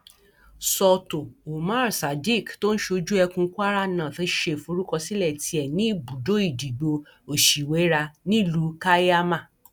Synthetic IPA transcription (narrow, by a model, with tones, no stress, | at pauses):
sɔ˧to˨o˨mã˦˨ɾsa˨di˦˨kto˦n̩˦ʃo˧d͡ʒu˦ɛ˧kũ˧˦ku˦a˦ɾa˦nã˨tʃe˦˨fũ˨˧o˦ɾu˦kɔ˧si˦lɛ˦˨ti˧ɛ˨nĩ˨˦˨bu˨do˨˦i˦˨di˨ɡ͡bo˧ | o˨ʃi˨we˨˦ɾa˧nĩ˦˨lu˨˦ka˦a˦mã˦˨